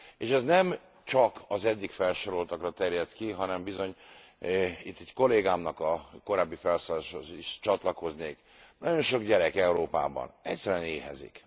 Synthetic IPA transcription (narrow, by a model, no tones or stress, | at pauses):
eːʃɛznɛm | t͡ʃɒkɒzɛɟːikfɛlʃo̞ɾo̞lt̪ɒkrɒt̪ɛɾjɛt̪kiɦɒnɛmbizo̞ɲ | it̪ːɛcko̞leːɡaːmnɒkɒko̞ɾaːbːifɛlsoːlaːʃoiʃt͡ʃɒt̪lɒko̞zneːk | nɒɟo̞nʃo̞ɡɟɛɾɛkɛuɾoːpa̰ːbɒ̰nɛcʲsɛɾyɛneːɦɛ̰zḭk